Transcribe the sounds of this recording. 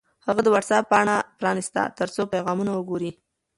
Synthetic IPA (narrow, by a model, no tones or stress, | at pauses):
haɣad̪əwaʈsapːəaɽ̃apɾɑnist̪a̰t̪əɾt͡sopajɣɑmunawəɡoɾi